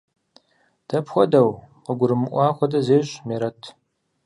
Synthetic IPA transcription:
d̥ɐpxʷɔdɐwqəɡʷʊɾɨmɨʔʷɑːxʷɔdɐzeːɕʼmeːɾɐtʰ

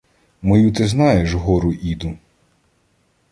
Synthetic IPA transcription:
mɔjut̪ɪznɑjeʃɦɔɾʊʔid̪ʊ

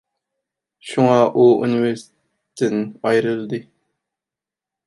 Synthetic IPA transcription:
ʃuŋɑʔuṵniveɾst̪ | t̪ʰːɪnɑjɾɨlˠɨd̪ɨ

